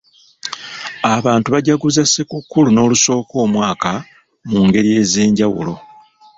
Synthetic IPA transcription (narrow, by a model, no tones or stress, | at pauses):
aβaːntuβaɟaɡuzase̞kukːuluno̞ːluso̞ːko̞ːmwaːka | muːŋɡe̞ɾije̞ːze̞ːɲɟawṵlo̞̰